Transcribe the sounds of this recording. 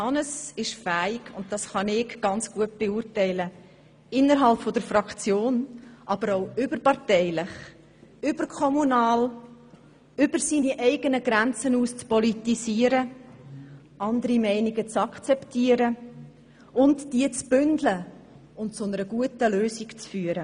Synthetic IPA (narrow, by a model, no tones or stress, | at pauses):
ɑnəsɪʃfæːɪɡ̥ʊntdɑsχɑnɪɡɡ̥ɑnt͡sɡ̥uət̚b̥eʊɾtɛɪlə | ɪnːəɾɦɑlpfɔd̥əɾfɾɑkt͡sjoːnʔɑb̥əɾoʊʏbəɾpɑʁtɛɪlɪχ | ʏb̥əɾkʰɔmunɑːl | ʏbəɾsiːniʔɛɪɡənəɡɾænt͡sənuːst͡spɔlitisiːəɾə | ʔɑndəɾimɛɪniɡət͡sɑkt͡sɛptiːəɾə | ʊntd̥iət͡sb̥ʏndlə | ʊntt͡sʊnəɾəɡuətəløːsiɡt͡sfyːəɾə